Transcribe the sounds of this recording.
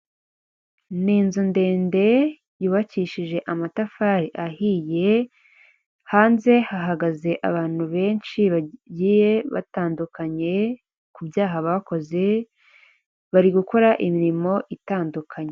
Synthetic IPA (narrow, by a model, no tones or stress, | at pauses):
niːnzunde̞ːnde̞ | juːβaciːʃiʒe̞ʔamatafaːɾiʔahije̞ | haːnze̞haɦaɡaze̞ʔa̰βaːn̥huβe̞ːnʃiβaɟiːje̞βa̰taːndukaɲe̞ | kubjaːɦaβako̞ze̞ | βaɾiɡuko̞ɾaʔimiɾimo̞ʔitaːndukʰaɲe